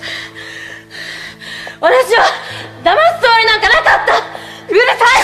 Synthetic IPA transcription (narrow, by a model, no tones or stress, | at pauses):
βat̪aɕiod̪amasɨ̥t̪oːɾʲinãŋkanakat̪ːaɯɾɯsa